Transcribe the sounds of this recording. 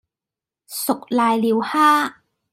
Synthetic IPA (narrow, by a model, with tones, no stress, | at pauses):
sʊ˨k̚laː˨˧jliː˨˧whaː˥